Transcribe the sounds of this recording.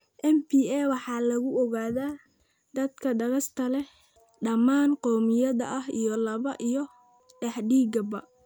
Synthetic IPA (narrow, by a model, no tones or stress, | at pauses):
ʔɛmpiːɛːwɑħɑːlɐɣʊɔɣaːðaː | d̪̥ɐd̪kʰɐɖɐɣɐst̪ʰɐlɛ | ɖɐmaːnqɔːmɪjɐðɐ̰ʔɐɦijɔlɐβɐʔijɞ | ɖɐħɖiːɡɐbɐ